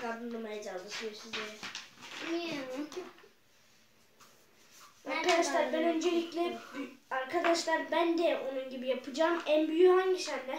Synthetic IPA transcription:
kad̪ɯnlˠɯmajad͡ʒad̪ɯsyjoɾsizd̪eɛ | aɾkʰad̪aʃlˠaɾbɛnø̞nd͡ʒelʲiclʲɛaɾkʰad̪aʃlˠaɾbænd̪ɛʔo̞nunɟibijapʰɯd͡ʒaːmænbyjyhaɲɟisænd̪ɛ

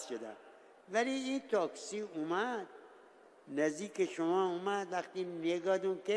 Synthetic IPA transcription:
ʃod̪æ̰m | væliiːnt̪ʰɒːksiːumæd̪̥̚ | næzd̪iːkeʃomɒːumæd̪væxt̪iːneɡɒːd̪ũnke

